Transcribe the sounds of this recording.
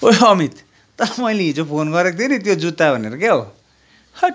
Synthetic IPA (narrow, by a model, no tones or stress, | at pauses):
oʌmit̪ | t̪ʌmʌjleid͡zopʰonɡʌɾekot̪ʰionit̪jod͡zut̪ːabʱʌneɾʌk̬eɦo | hʌ